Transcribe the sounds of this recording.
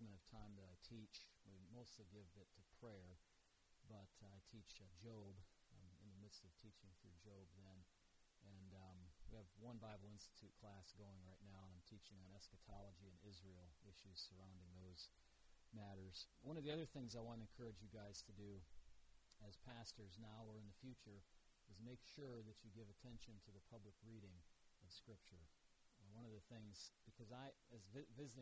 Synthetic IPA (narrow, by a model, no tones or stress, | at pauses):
mɨ̃nʌv̥tʰãɪ̃mðɨɾaɪtʰit͡ʃwimoʊstˡliɡɪvɪtʰɨpʰɹ̥ɛɹ | bʌɾaɪtʰit͡ʃd͡ʒoʊb̃ɪ̃mɨ̰̃nðɨmɪd̥stʌv̥tʰit͡ʃɪ̃ŋθɹʉd͡ʒoʊb̚ðɨ̃n | ʔɨ̃nwiɨvwʌ̃nbaɪbl̩ˠɪ̃nstɨ̥tʰʉt̚kʰl̥æsɡ̥oʊɪ̃ŋɹaɪtⁿnaʊə̃ñãɪ̃mtʰit͡ʃɪ̃ŋə̃nɛskɨtʰɑlˠəd͡ʒiɨ̃nɪzɹil̩ˠɪʃʉz̥sə˞ãʊ̃ndɪ̃ŋðoʊz̥ | mæɾə˞z̥wʌ̃ñʌvðiʌðə˞θɪ̃ŋzaɪwɑ̃nɨ̃nkʰɜ˞ɨd͡ʒjɨɡaɪz̥tʰɨdɨ | ɨz̥pʰæstə˞znaʊə˞ɨ̃nðɨfjʉt͡ʃə˞ | ɨzmeɪkʃʊɹðɨt͡ʃɨɡɪvɨtʰɛ̃nʃɨ̃ntʰɨðɨpʰʌbləkɹiɾɪ̃ŋʌv̥skɹɪp̚t͡ʃə˞ | wʌ̃nʌvðɨθɪ̃ŋz̥b̥ɨkʰʌzaɪɨzvɪvɪzɨɾ̃